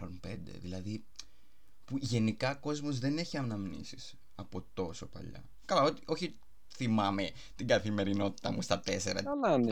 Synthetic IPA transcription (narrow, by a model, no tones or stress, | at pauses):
onpe̞nd̪ḛðilɐði | puʝe̞nikɐko̞zmo̞zðe̞ne̞çiɐmnɐmnḭsis | ɐpo̞t̪o̞so̞pɐ̰ʎɐ̰ | kɐlɐot̪iʔo̞çi | θimɐme̞ | t̪iɡɐθime̞ɾino̞t̪i̥t̪ɐmust̪ɐt̪e̞seɾɐ̰lan